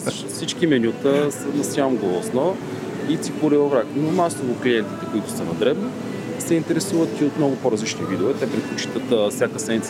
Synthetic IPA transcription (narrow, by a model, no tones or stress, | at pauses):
sʃfsit͡ʃkimɛnʲjut̪əsənɐsjamɡolˠosnɔ | it̪ipoɾivɐvɾaknomasovoklijɛnt̪i̥t̪ɛkoit̪ʊ̥sɐnɐd̪ɾɛbni | sɛint̪ɛɾɛsuvət̪iot̪mnɔɡʊpoɾɐzlit͡ʃnivid̪ɛovɛt̪ɛpɾɛt̪̚pot͡ʃi̥t̪ət̪fsʲjakəsɛmnit̪